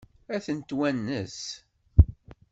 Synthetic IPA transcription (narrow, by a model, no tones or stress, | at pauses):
æθənt̪wænːəs